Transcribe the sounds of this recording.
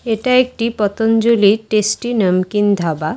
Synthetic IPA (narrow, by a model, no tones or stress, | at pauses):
eʈaek̚ʈipɔt̪ond͡ʒoliʈesʈinəmkind̪ʱaba